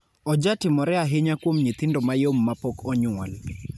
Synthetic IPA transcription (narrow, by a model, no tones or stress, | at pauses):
ɔd͡ʒatɪmɔɾɛaɦɪɲakwomɲit̪ɪndomajomːapɔkɔɲʊal